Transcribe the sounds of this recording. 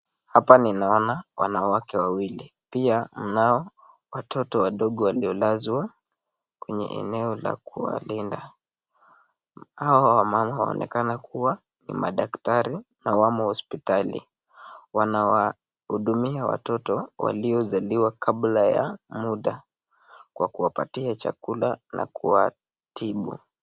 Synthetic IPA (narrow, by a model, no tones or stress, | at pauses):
hapaninaɔnawanawakɛwawilipiam̩naɔ | watʰɔtɔwaɗɔɠɔwaliɔlazwa | kwɛɲɛ̰ʔɛ̰nɛɔla̰kuwa̰linda | hawawamamawa̰ɔ̰nʔɛ̰kanakʰuwa | nḭmaɗaktaɾinawamahɔspitalḭ | wanawa | huɗumiawa̰tɔtɔwa̰liɔzaliwakʰablaja̰muɗa | kwakuwapa̰tiat͡ʃa̰kulanʔa̰kuwa | tiɓṵ